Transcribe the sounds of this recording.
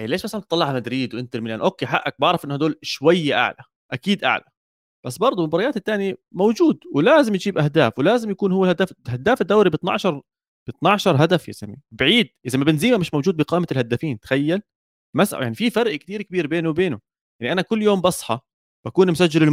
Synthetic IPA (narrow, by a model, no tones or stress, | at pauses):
ʔeːleːʃmasalant̪ːˤɑlːɑʕmad̪ɾiːd̪wʔɪnt̪ɪɾmɪlaːnʔoːkːeːħaʔːak̚bɑʕɾˤɑfʔɪnːahad̪oːlʃwajːʔa̰ʕla | ʔakiːd̪ʔa̰ʕla | b̥asːbɑɾˤd̪ˤumʊbɑɾˤɑjaːt̪ɪt̪ːaːnjimowd͡ʒuːd̪wɪlaːzɪmjd͡ʒiːbʔahd̪aːfwlaːzɪmjakuːnhʊwːalhad̪aːfhad̪aːfɪd̪ːawɾibɪt̪ˤnɑ̰ʕʃɑɾˤ | b̥ɨt̪nɑʕʃɑɾˤɦad̪afja̰samibʕiːd̪̚ʔɪzamːabɪnziːmamɪʃmawd͡ʒuːd̪̚bɪqɑːmaɪlhad̪ːafiːnt̪xajːal | masʔa̰jaʕnififɑɾʔkt̪iːɾkɪbiːɾbeːnuwbeːnʊ | jaʕniʔanakʊlːjoːmbɑsˤħɑ | b̥akuːnmʊsad͡ʒːɪlɪl